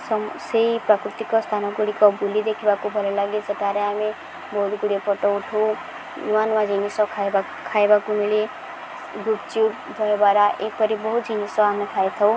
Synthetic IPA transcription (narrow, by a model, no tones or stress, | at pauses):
ssejprakɾut̪ikɔst̪ʰanʌɡuɽikɔbʱulid̪ekʰibakobʱʌlelaɡid͡zʌʈaɾeɦami | bʌɦut̪ɡuɽepɔʈɔwʈ̪ʰow | niwanmad͡zʱinisʌkʰaba | kʰaebakunile | ɡupt͡ʃuʈ | dʱʌebaɾaʔek̚pʌɾibɔɦut̪̚d͡zʱinisɔɦamikʰajt̪ʰʌw̃